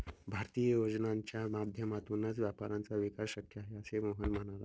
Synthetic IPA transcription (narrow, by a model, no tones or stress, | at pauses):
bʱaɾt̪iːjəjod͡znaɲt͡ɕjamad̪ʱjəmat̪unət͡sʋjapaɾãnt͡saʋikaɕɕəkʰjəaɦeəsemoɦənm̤əɽ̃ala̰